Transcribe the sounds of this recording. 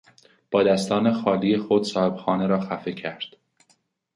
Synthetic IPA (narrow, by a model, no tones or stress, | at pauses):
b̥ɒːd̪æst̪ɒːne̞xɒːlijexod̪sɒːhe̞b̥xɒːneɾɒːxæfe̞cʰæɾd̪̥